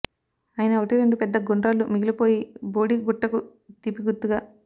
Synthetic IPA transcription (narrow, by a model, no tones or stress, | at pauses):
ɐːjinɐːʋɐʈiɾeɳɖupɛd̪ːɐɡoɳɖɾaːlumiɡilipo̞ːjiboːɽiɡuʈːɐkut̪ipːiɡut̪ːuɡaː